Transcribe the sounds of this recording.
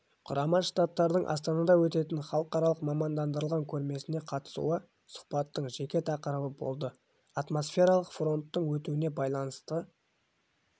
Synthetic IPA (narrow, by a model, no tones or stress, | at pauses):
qʰʊ̰ɾʔɑmɑnʃt̪ɑt̪ːɑɾd̪əɴʔɑ̰st̪ɑnɑd̪ɑwɵt̪e̞t̪ɪnχɑlˠəqɑɾɑlˠəqmɑmɑnd̪ɑnd̪əɾəlˠʁɑŋkʲʰɵɾme̞sɪne̞qʰɑt̪ə̥sṵə | sʊ̥χpɑt̪ːəɴʒe̞kʲe̞t̪ʰɑqəɾəbəbo̞̰lˠd̪ə | ɑt̪mo̞sfʲe̞ɾɑlˠəqfro̞nt̪ːəɴwɵt̪uɪne̞bɑjlˠɑnəst̪ə